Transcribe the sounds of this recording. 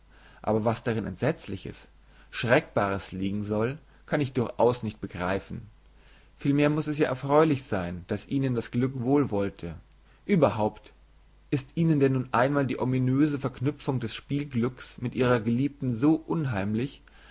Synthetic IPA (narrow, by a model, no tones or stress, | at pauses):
ʔa̰ːbɐvasd̥aʁɪnʔɛ̰ntz̥ɛt͡slɪçə̰s | ʃʁ̥ɛk̚b̥aːʁ̞əsliːɡŋ̩zɔl | kʰanɪçd̥ʊɐçʔa̰ʊsnɪçt̚b̥əɡʁaɪfn̩ | fiːlmeːɐmʊsɛsjaːʔɛɐfʁ̥ɔʏlɪçz̥aɪnd̥asʔiːnəndasɡ̥lʏkv̥oːlvɔltʰə | ʔyːbɐɦaʊpt | ʔɪstʔiːnəndɛnːuːnʔaɪnmaːldiːʔominøːzəfɛɐknʏp͡fʊŋdɛsʃpiːlɡlʏksmɪtʔiːʁɐɡəliːp̚tn̩zoːʔʊnɦaɪmlɪç